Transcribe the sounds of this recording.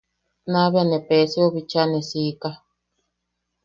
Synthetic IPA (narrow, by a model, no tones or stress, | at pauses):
naβeanepesioβit͡ʃanesika